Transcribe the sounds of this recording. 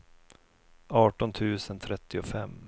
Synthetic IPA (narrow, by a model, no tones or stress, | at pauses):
ɑːʈɔnt̪ʰʉ̟ːsənt̪ʰɾɛt̪ːɪɔfɛmː